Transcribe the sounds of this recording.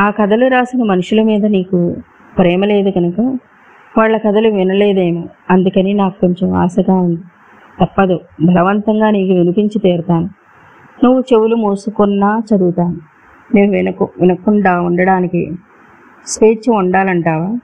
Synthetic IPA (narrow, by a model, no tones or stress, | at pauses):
aːkɐd̪ɐluɾaːsinɐmɐnuʂulɐmiːd̪ɐniːku | pɾɛːmɐleːd̪uɡɐnɐkɐ | ʋaːɭːɐkɐd̪ɐluʋinɐleːd̪eːmuɐnd̪ukɐninaːkukoɲt͡ʃemʋa̰ːsɐɡaːund̪i | t̪ɐpːɐd̪ubʱɐlɐʋɐnt̪ɐŋɡaːniːkuʋinipiɲt͡ʃit̪eːɾɐt̪aːnu | nuʋːut͡ʃe̞ʋulumuːsukunːaːt͡ʃɐd̪uɡut̪aːnu | neːnuʋinɐkʋinɐkuɳɖaːuɳɖɐɽaːnikḭ | speːt͡ʃuɳɖaːlɐɳʈaːʋaː